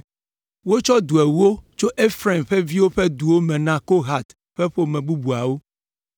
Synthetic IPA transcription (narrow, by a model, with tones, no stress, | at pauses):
wo˦t͡ʃɔ˦d̪u˨e˨wu˦o˦t͡ʃo˦ʔe˦fɾe˦˨mɸe˦vi˦wo˦ɸe˦d̪u˨wo˦mɛ̃˨nã˨ko˦ɦa˨t̪ | ɸe˦ɸo˦mɛ̃˨bu˦bu˨a˨wo˦